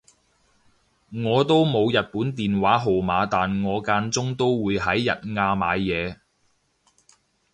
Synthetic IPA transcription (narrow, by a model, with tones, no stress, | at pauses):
ŋɔː˨˧t̪o˥wmo˨˧wjɐ˨t̚puː˨˥nt̪iː˨˩nwaː˨˥ɦo˨wmaː˨˧t̪aː˨nŋɔː˨˧kaː˧nt͡sʊ˥ŋt̪o˥wwuː˨˧jɦɐ˨˥jːɐ˨t̚ŋaː˧ma̰ː˨˧jːɛː˨˧